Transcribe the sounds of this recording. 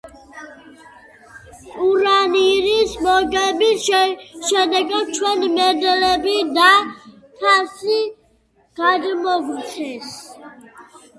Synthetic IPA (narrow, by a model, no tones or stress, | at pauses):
uɾaniɾismɔɡɛbi | ʃɛd̪ɛɡat͡ʃʰwɛnimɛd̪ɛlɛbid̪a | t̪ʰasi | ɡ̥ad̪mɔɡɾsʰɛs